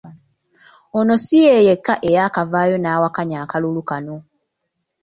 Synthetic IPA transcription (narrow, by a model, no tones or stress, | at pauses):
ono̞sijeːjekːaʔe̞jakavaːjo̞naːwakaɲaːkalulukano